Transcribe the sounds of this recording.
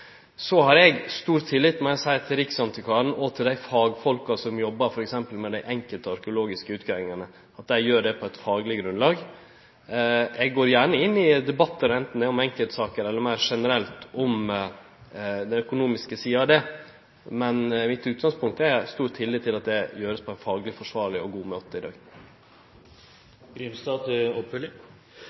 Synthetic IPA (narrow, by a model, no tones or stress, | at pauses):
sɔɦɑɾɛɡst̪uːɾt̪ʰːɪlːɪːt̪mɛsæɪt̪ʰɪlɾɪksɑnt̪ʰɪkʰɑːɳ̩ɔt̪ʰɪld̪æɪfɑːɡfɔlkɑsɔmjɔbːɑɾfɔɾɛksɛmpəlmɛd̪æɪʔɛŋkəlt̪əɑɾkəʊloːɡɪskəʉːt̪kʰæːʋɪŋɑnə | ɑt̪̚d̪æɪjøːɖɛpʰɔɛt̪fɑːɡlɪɡɾʉnlɑːɡ | ɛɡɡoːɾjæːɳəɪnːɪd̪ɛbɑt̪ːəɾɛnt̪n̩ɛʊmɛŋkəlt̪sɑːkəɾɛlːəɾmæɪɾʂɛnəɾɛlt̪ɔm | d̪ɛnœkʊnuːmɪskəsiːɑɑd̪ɛ | mɛnmɪt̪ʉːt̪̚ɡɑŋspʊŋk̚t̪æst̪uːʈ̪hʰɪlːiːt̪ɪlɑt̪̚d̪ɛjøːɾəspʰɔɛɪnfɑːɡlɪfɔʂʋɑːɾɭɪɔɡuːmøːt̪əɪd̪ɑ̰ːɡ | ɡɾimst̪ɑːd̪ɔpːlɪ